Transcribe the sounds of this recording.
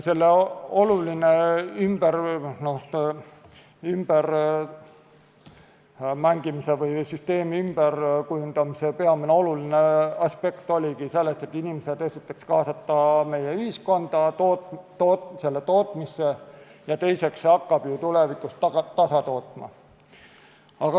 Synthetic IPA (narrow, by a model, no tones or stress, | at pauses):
se̞lːeo̞lulineymb̥ernose | ymb̥er | mæŋɡ̥imise̞vɯjsyst̪e̞ːmiymb̥erkujund̪̥ɑmisepeɑmineo̞luline̞ɑspe̞kt̪o̞lʲiɡise̞lːest̪e̞t̪ːinimese̞d̪esit̪ːˑekskɑːsɑt̪ːɑme̞jeyhisko̞nd̪̥ɑt̪ot̪ | otse̞lːet̪o̞ːt̪ˑmisːe̞jɑt̪e̞jse̞ksɑkːɑb̥jut̪ulevikust̪t̪ɑsɑt̪o̞ːt̪ˑmɑ̰ | ɑɡ̥ɑ